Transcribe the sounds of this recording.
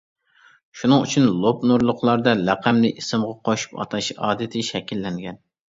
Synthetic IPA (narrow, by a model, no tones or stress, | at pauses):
ʃunɨŋyt͡ʃʰynlˠopnuɾlˠʊqlˠɑɾd̪ɑlɛqʰæmlɪʔisɨmʁɑqʰoʃu̥pɑ̰t̪ʰɑʃɑ̰ːd̪ɨt̪ʰɪʃɛkʲilːɛŋɡʲɛn